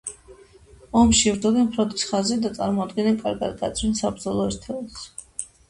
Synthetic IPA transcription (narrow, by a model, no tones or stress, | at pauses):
ɔmʃivɾd̪ɔd̪ɛmχɾɔd̪isχazɛd̪at̪sʼa̰ɾmɔad̪ɡɛnɛnkʼaɾɡa̰d̪ɡa̰t̪sʰwinsabɾd̪zɔlˠɔɛɾt̪ʰɛlɔs